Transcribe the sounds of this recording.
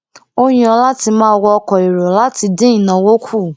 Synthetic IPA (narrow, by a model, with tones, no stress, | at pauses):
o˦˧j̃ĩ˧˦ɔ˧la˦ti˧mãː˦˧wɔ˧ɔ˧kɔ˨i˨ɾo˨la˦ti˧dẽ˦ĩ˨nã˧wo˦kʰu˦˨